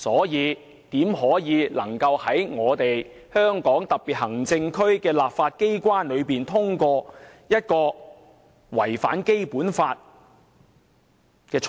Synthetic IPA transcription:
sɔː˨˥jiː˨˧ | t̪iː˨˥mɦɔː˨˥jiː˨˧lɐ˨˩ŋkɐ˧whɐ˨˥jŋɔː˨˧t̪e˨j | hœː˥ŋkɔː˨˥ŋt̪ɐ˨k̚piː˨t̚hɐ˨˩ŋt͡sɪ˧ŋkʰɵ˥ɥkɛː˧laː˨pfaː˧t̚ke˥jkʷwaː˥nlɵ˨˧ɥpiː˨˩nt̪ʰʊ˥ŋkɔː˧jɐ˥t̚kɔː˧ | wɐ˨˩jfa̰ː˨˥nke˥jpuː˨˥nfaː˧t̚ | kɛː˧t͡ʃʰ

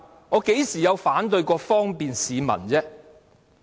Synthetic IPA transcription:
ŋɔː˨˧ke˨˥jsiː˨˩jɐ˨˧wfaː˨˥nt̪ɵ˧ɥkɔː˧fɔː˥ŋpiː˨nsiː˨˧mɐ̰˨˩nt͡sɛː˥

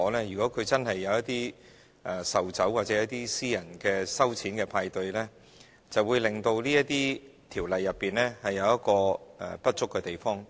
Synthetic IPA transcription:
ɔː˨˧˥lɛː˥jyː˨˩kɔː˨˥kʰɵ˨˧ɥt͡sɐ˥nhɐ˨jːɐ˨˧wjɐ˥t̪̚iː˥ | ʔɛ˨˧sɐ˨wt͡sɐ˨˥waː˨t̚t͡sɛː˨˥jɐ˥t̪̚iː˥siː˥jɐ˨˩nkɛː˧sɐ˥wt͡sʰiː˨˥nkɛː˧pʰaː˧jt̪ɵ˧ɥlɛ˥ | t͡sɐ˨wuː˨˧jlɪ˨˩ŋt̪o˧wliː˥jɐ˥t̚t̪iː˥t̪ʰiː˨˩wlɐ˨jːɐ˨pːiː˨˩nlɛː˥hɐ˨jːɐ˨˧wjɐ˥t̚kɔː˧ɛ˨˧pɐ˥t̚t͡ʃʊ˥kːɛː˧t̪e˨jfɔː˥ŋ

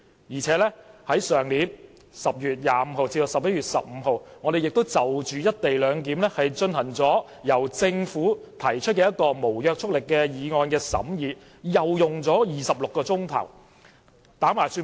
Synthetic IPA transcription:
jiː˨˩t͡sʰɛː˨˥lɛ˥hɐ˨˥jsœː˨˩ŋliː˨˥n | sɐ˨p̚jyː˨t̚jaː˨m̩˨˧˥ho˨˧wt͡siː˧do˨sɐ˨p̚jɐ˥ɥyː˨t̚sɐ̰˨p̚m̩ː˨˧ɦo˨wŋɔ˨˧d̪e˨jɪ˨k̚t̪o˥wt͡sɐ˨wt͡ʃyː˨˧jɐ˥t̚t̪e˨jlœː˨˧ŋk̬iː˨˥mlɛ˥hɐ˨jt͡ʃɵ˧nhɐ˨˩ŋt͡sɔː˨˥ | jɐ˨˩wt͡sɪ˧ŋfuː˨˥ | t̪ʰɐ˨˩jt͡ʃʰɵ˥t̚kɛː˧jɐ˥t̚kɔː˧mo˨˩wjœː˧k̚t͡ʃʰʊ˥k̚lɪ˨kːɛː˧jiː˨˧ŋɔː˧nkɛː˧sɐ̰˨˥mjiː˨˧ | jɐ˨wjʊ˨ŋt͡sɔː˨˥jiː˨sɐ˨p̚lʊ˨kːɔː˧t͡sʊ˥ŋt̪ʰɐ̰˨˩w | t̪aː˨˥maː˨˩jsyː˧

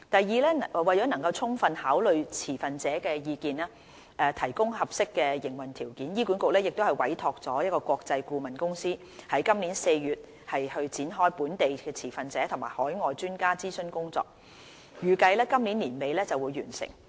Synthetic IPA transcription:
t̪ɐ˨jiː˨˧lɛː˥˨˩wɐ˨jt͡ʃɔː˨˥nɐ˨˩ŋkɐ˧wt͡sʰʊ˥ŋfɐ˧nhaː˨˥wlɵ˨ɥt͡sʰiː˨˩fɐ˨nt͡sɛː˨˥kɛː˧jiː˨˧kiː˨nɛː˥ | ʔɛ˨˧t̪ʰɐ˨˩jkʊ˥ŋhɐ˨˩p̚sɪ˥kːɛː˧jɪ˨˩ŋwɐ˨˩nt̪ʰiː˨˩wkiː˨˥njiː˥ku˨˥nkʊ˨k̚lɛː˥jɪ˨k̚t̪whɐ˨˩jwɐ˨˥jt̪ʰɔː˧k̚t͡sɔː˨˥jɐ˥t̚kɔː˧kʷwɔː˧k̚t͡sɐ˧jkuː˧mɐ˨nkʊ˥ŋsiː˥ | hɐ˨˥jkɐ˥mliː˨˥nse˧jɥyː˨˩t̚ | hɐ˨jhɵ˧ɥt͡siː˨˥nɦɔː˥jpuː˨˥nt̪e˨jkɛː˧t͡sʰiː˨˩fɐ˨nt͡sɛː˨˥t̪ʰʊ˨˩ŋmaː˨˩jhɔː˨˥jŋɔː˨jt͡ʃyː˥nkaː˥t͡siː˥sɵ˧nkʊ˥ŋt͡sɔ̰ː˧k̚ | jyː˨kɐ˧jlɛː˥kɐ˥mliː˨˥nliː˨˩nme˨˧jlɛː˥t͡sɐ˨wuː˨˧jːyː˨˩nsɪ̰˨˩ŋ

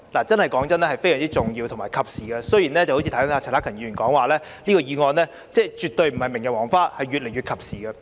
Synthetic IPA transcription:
laː˨˩t͡sɐ˥nhɐ˨˩jkɔː˨˥ŋt͡sɐ˥nlɛ˥hɐ˨˩jfe˥jœː˨˩t͡si˥t͡sʊ˨˩ŋjiː˧wt̪ʰʊ˨˩ŋmaː˨˩jkʰɐ˨p̚siː˨ɡɛ˧sɵ˥jiː˨˩nlɛː˥t͡sɐ˨ho˧˥t͡ɕiː˧t̪ʰɐ˦˥t̪ʰːaː˧˩˨naː˦˥kʰɐ˨˩ŋji˨˥ɥyː˨˩nkɔː˨˥ŋwaː˨˧lɛː˥ | liː˥kɔː˧jiː˨˧ŋɔː˧nlɛː˥ | t͡sɛː˥˩t͡ʃyː˨t̪̚ɵ˧ɥm̩˨˩hɐ˨jme˨˩ŋkɛ˧wɔː˨˩ŋfaː˥hɐ˨jɥyː˨t̚le˨˩jɥyː˨t̚kʰɐ˨p̚siː˨˩ɡɐ˧

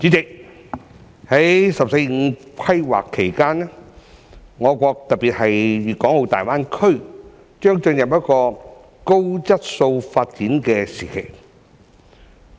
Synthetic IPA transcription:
t͡siː˨˥t͡sɪ˨k̚ | hɐ˨˥jsɐ˨p̚se˧jŋ̩˨˧kʰɐ˥jwa̰ː˨˩kʰːe˨˩jkaː˥n˥ | ŋɔː˨˧kʷɔː˧k̚t̪ɐ˨t̚piː˨t̚hɐ˨jɥyː˨kɔː˨˥ŋho˧wt̪a̰ː˨jwaː˥nkʰɵ˥ɥ | t͡ʃœː˥ŋt͡ʃɵ˧njɐ˨˩p̚jɐ˥t̚kɔː˧ | ko˥wt͡sɐ˥t̚so˧wfaː˧t̚t͡siː˨˥nkɛː˧siː˨˩kʰe˨˩j

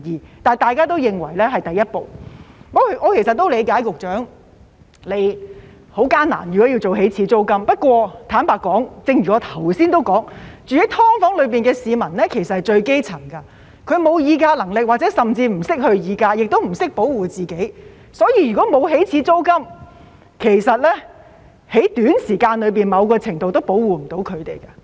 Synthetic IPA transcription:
jiː˨t̪aː˨jt̪aː˨˧jkaː˥t̪̬o˥wjɪ˨ŋwɐ˨˩jlɛː˥ɦɐ˨jt̪ɐ˨˩jɐ˥t̚po˨wŋɔː˨˧˥kŋɔː˨˧kʰsɐ˨t̚t̪ːo˥wle˨˧jkaː˨˥jkʊ˨k̚t͡ʃœː˨˥ŋ | le˨˧j | ho˨˥wkaː˥na̰ː˨˩njyː˨˩kɔː˨˥jiː˧t͡so˨wɦe˨˥jt͡sʰiː˨˥t͡so˥wkɐ˥mpɐ˥t̚kʷɔː˧t̪ʰaː˨˥npaː˨˧t̚kːɔː˨˥ŋt͡sɪ˧ŋɥyː˨kɔː˨˧t̪ʰɐ˨˩wsiː˥nt̪o˥wkɔː˨˥ŋt͡ʃyː˨˩i˨˥t̪ʰɔː˥ŋfɔː˨˥ŋlɵ˨˧ɥpiː˨nkɛː˧siː˨˧mɐ˨˩nlɛː˥kʰe˨˩jsɐ˨thjt͡ʃɵ˧ɥke˥jt͡sʰɐ˨˩ŋkɐ˧ | kʰɵ˨˧ɥmo˨˧wjiː˨˧kaː˧lɐ˨˩ŋlɪ˨k̚wa˨t̚t͡sɛ˨˥sɐ˨mt͡siː˧m̩˨˩sɪ˥k̚hɵ˧ɥjiː˨˧kaː˧jɪ˨k̚t̪o˥wm̩˨˩sɪ˥k̚po˨˥wwuː˨˩t͡siː˨ke˨˥j | sɔː˨˥jiː˧jyː˨˩kɔː˨˥mo˨˧wɦe˨˥jt͡sʰiː˨˥t͡so˥wkɐ˥m | kʰe˨˩jsɐ˨t̚lɛ˥ | he˨˥jt̪yː˨˥nsiː˨˩kaː˧nlɵ˨˧ɥpiː˨˩nmɐ˨˧wkɔː˧t͡sʰɪ˨˩ŋt̪o˨wt̪o˥wpo˨˥wuː˨m̩˨˩t̪o˨˥wkʰɵ˨˧ɥt̪e˨˩jkɐ˧

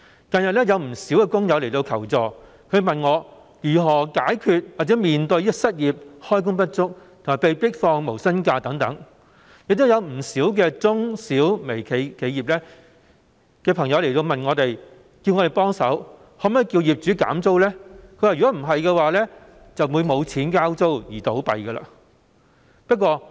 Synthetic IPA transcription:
kɐ˨njɐ˨t̚lɛː˥jɐ˨˧wm̩˨˩siː˨˥wɛː˧kʊ˥ŋjɐ˨˧wle˨˩jt̪o˧wkʰɐ˨˩wt͡sɔː˨˩ | kʰɵ˨˧ɥmɐ˨nŋɔː˨˧ | jyː˨˩ɦɔː˨˩kaː˨˥jkʰyː˨˧t̚waː˨˩t͡sɛː˨˥miː˨nt̪ɵ˧jsɐ˥t̚jiː˨p̚hɔː˥jk̬ʊ˥ŋpɐ˥t̚t͡sʊ˥k̚t̪ʰo˨˩maː˨˩pe˨˧jpɪ˥k̚fɔː˧ŋmo˨˩wsɐ˥nkaː˧t̪ɐ˨˥ŋt̪ɐ˨˥ŋ | jɪ˨k̚t̪o˥wjɐ˨˧wm̩˨˩siː˨˥wk̬ɛː˧t͡sʊ˥ŋsiː˨˥wme˨˩jkʰe˨˧˥kʰe˨˧jiː˨p̚lɛː˥ | kɛː˧pʰɐ˨˩ŋjɐ˨˧wle˨˩jt̪o˧wmɐ˨˩nŋɔː˨˧t̪e˨j | ki˧wŋɔː˨˧ɾe˨˩jpɔː˥ŋsɐ˨˥w | hɔː˨˩mɐ˨jki˧wjiː˨˩p̚t͡ʃyː˨˥ka̰ː˨˥mt͡so˥wlɛː˥kʰɵ˧ɥwaː˨jyː˨˩kɔ˨˥m̩˨˩ɦɐ˨jkɛː˧waː˨˧lɛː˥ | t͡sɐ˨wwuː˨˧jmo˨˧wt͡sʰiː˨˥nkaː˥wt͡so˥wjiː˨˩t̪o˨˥wpɐ̰˨jɡɐə˧la̰ː˧ | pɐ˥t̚kwɔː˧

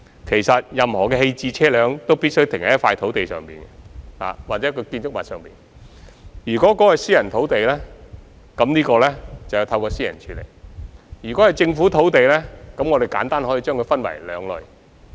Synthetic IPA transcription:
kʰe˨˩jsɐ˨t̚jɐ˨mhɔː˨˩kɛː˧he˧jt͡siː˧t͡sʰɛː˥lœː˨˧ŋt̪o˥wpiː˥t̚sɵ˥ɥt̪ʰɪ˨˩ŋhɐ˨˦jɐ˥faː˧jt̪ʰo˨˥wt̪e˨jsœ̰ː˨˩ŋpḭː˨˩nɡɛ˧la̰ː˨waː˨t̚t͡sɛː˨˥kɔ˧kiː˧nsʊ˥k̚mɐ˨tsœː˨ŋpiː˨n | jyː˨˩kɔː˨˥kɔː˨˥kɔ˨˧siː˥jɐ˨˩nt̪ʰo˨˥wt̪e˨jlɛ˥ | kɐ˨˧˥mniː˥kɔː˧lɛː˥t͡sɐ˨wjɐ˨˧wt̪ʰɐ˧wkɔː˧siː˥jɐ̰˨˩nt͡ʃʰyː˨˧lḛ˨˩jjyː˨˩kɔ˨˥hɐ˨˩jt͡sɪ˧ŋfuː˨˥t̪ʰo˨˥wt̪e˨jlɛː˥kɐ˨˥mŋɔː˨˧d̪e˨jkaː˨˥nt̪aː˥nhoː˨˥jiː˧t͡ʃœː˥ŋkʰɵ˧jfɐ˥nwɐ̰˨˩jlœː˨˧ŋlɵ̰˨ɥ

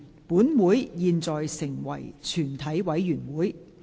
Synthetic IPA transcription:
puː˨˥nwuː˨˥jjiː˨˧nt͡sɔː˨jsɪ˨˩ŋwɐ̰˨˩jt͡ʃʰyː˨˩nt̪ʰɐ˨˥jwɐ˨˥jːyː˨˩nwuː˨˥j

